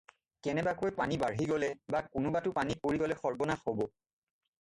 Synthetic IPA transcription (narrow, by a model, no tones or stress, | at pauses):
kɛnɛbakojpanibaɹɦiɡɔlɛbakʊnʊbatʊpanipoɹiɡɔlɛxɔɹbɔnaxhobɔ